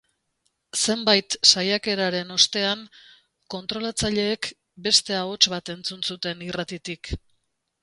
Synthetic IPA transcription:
se̞mbajt̪sajake̞ɾaɾe̞no̞st̪e̞an | ko̞nt̪ɾo̞lat͡saʎe̞ːk | be̞st̪e̞ao̞t͡ʃβat̪e̞nt͡sunsut̪e̞nirat̪it̪ik

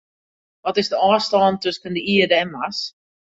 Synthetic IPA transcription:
ʋɔtɪzdəɑːstɑːntøskəndəiədəɛnmas

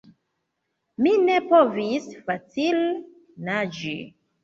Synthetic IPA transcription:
mine̞povisfat͡sil | nad͡ʒḭ

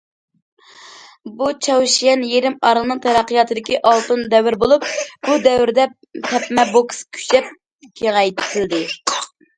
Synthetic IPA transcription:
but͡ʃʰɑwʃijɛnjeɾɪmɑɾɨlˠnɨŋt̪ʰɛɾɑqːijɑt̪ʰɨd̪ɪkʲiʔɑlˠt̪und̪ɛwɪɾbolˠup̚b̥ud̪ɛwɾd̪ɛ | t̪ʰɛpmɛbokskʲʰy̥t͡ʃɛp̚ | kʲʰeʁɛjt̪ʰɪld̪ɪ

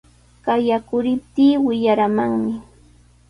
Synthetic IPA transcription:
kajakʊɾɪp̚t̪iːwɪʎaɾamaŋmɪ

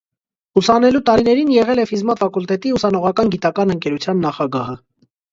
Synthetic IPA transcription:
usɑnɛlut̪ɑɾinɛɾinjɛʁɛlɛfizmɑt̪fɑkult̪ɛt̪iusɑnɔʁɑkɑnɡit̪ɑkɑnəŋkɛɾut͡sʰjɑnːɑχɑɡɑhə

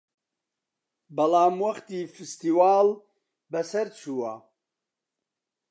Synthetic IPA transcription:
bɐlaːmwɐχt̪iːfist̪iwaːl | bɐsɐɾt͡ʃʰuːwa

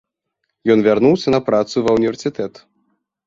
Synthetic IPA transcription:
jɔnvʲarnuwsʲɐnɐpɾat̪suvɐwnʲivʲɛrsʲɨt̪ɛt̪

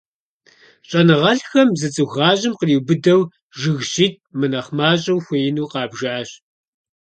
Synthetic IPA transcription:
ɕʼɐnɨʁɐɬxɐmzɨt͡sʼɨxaːʑɪmqəriːwbɨdɐw | ʒɨɣɕiːt̚ʰmɨnɐχmaːɕʼɐwxʷejnuːqɑːbʒaːɕ

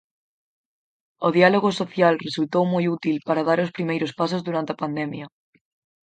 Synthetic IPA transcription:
oðialoɣosoθjalresult̪owmojut̪ilpaɾaðaɾospɾimejɾospasozðuɾant̪eapand̪ɛmjɐ

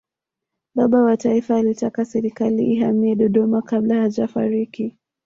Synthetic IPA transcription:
ɓaɓawataifaːlitakasɛɾikaliʔiɦamiɛɗɔɗɔmakablahad͡ʒafa̰ɾiki

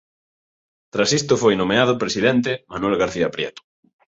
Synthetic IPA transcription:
t̪ɾasist̪ʊfojnõmeað̞ʊpɾesiðɛnt̪̬ɪmanwɛlɣaɾθiapɾjɛ̰t̪ʊ̥

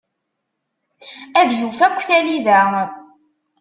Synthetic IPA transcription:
æðjufækʷːθæliðæ

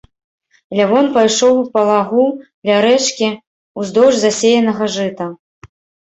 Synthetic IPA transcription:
lʲavɔnpajʂɔwupɐlˠaɣud̪lʲaɾɛt͡ʂkʲi | uzd̪ɔwʐzasʲejɐnɐɣɐʐɨt̪ɐ

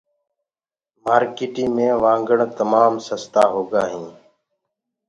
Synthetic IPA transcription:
maːɾkiːʈiːmẽːʋãːŋɡəɳt̪əmaːmsəst̪aːɦoːɡaːɦĩː

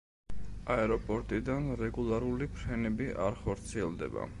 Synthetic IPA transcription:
aɛɾɔpʼɔɾt̪ʼid̪anɾɛɡulˠaɾulipʰɾɛnɛbiʔa̰ɾχɔɾt̪sʰiɛlˠd̪ɛ̰ba̰

